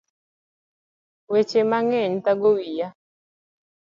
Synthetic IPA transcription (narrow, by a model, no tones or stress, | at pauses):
wet͡ʃemaŋɛɲt̪aɡowija